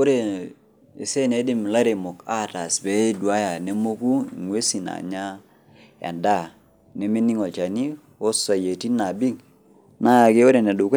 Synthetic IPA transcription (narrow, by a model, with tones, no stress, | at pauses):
o˦ɾe˨ | e˨se˦ne˨˦dɪ˦˨mla˦ɾe˨mo˨ka˦ta˨sbɛ˨˦dwa˦ja˨ne˦mo˦ku˦ḭ˨ŋwe˦si˨na̰˨ɲa˦ | a̰˨nda˦˨ | ne˦me˦ni˦ŋɔ˨t͡ʃa˨ni˦ | o˦sa˨je˨ti˦na˨bi˦ŋ | na˦ja˨ke˦o˦ɾe˨ne˨du˨k